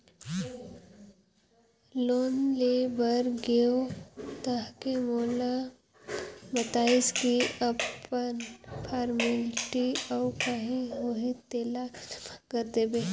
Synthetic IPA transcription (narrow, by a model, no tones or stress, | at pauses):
loːnlebəɾɡeot̪əɦkemoːla | bət̪aːɪskiɐpənpʰaːɾmɪlʈiɔːkaɦiɦoɦit̪eːlakəɾt̪ebeː